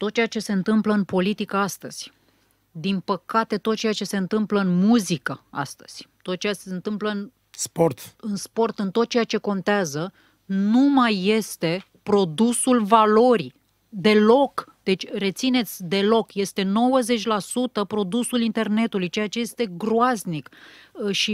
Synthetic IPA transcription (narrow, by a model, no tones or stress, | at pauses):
t̪ot̪̚t͡ʃejat͡ʃe̞se̞ɨnt̪ɨmpləɨnpo̞lit̪ikəast̪əz̥ʲ | d̪inpəkat̪e̞t̪ot̪̚t͡ʃejat͡ʃe̞se̞ɨnt̪ɨmpləɨnmuzikəa̰st̪ə̥z̥ʲt̪ot̪̚t͡ʃeaseɨnt̪ɨmpləɨn | sport̪ɨnspo̞rt̪ɨnt̪o̞t̪̚t͡ʃejat͡ʃe̞ko̞nt̪eazə | numajːe̞st̪e̞ | pɾo̞d̪usulvalo̞ɾi | d̪e̞lo̞kd̪̥e̞t͡ʃʲre̞t̪sine̞t̪sʲd̪e̞lo̞kje̞st̪e̞no̞wəze̞t͡ʃʲlasut̪əpɾo̞d̪usulint̪e̞rne̞t̪ulujt͡ʃe̞jat͡ʃe̞je̞st̪e̞ɡɾoaznikʃi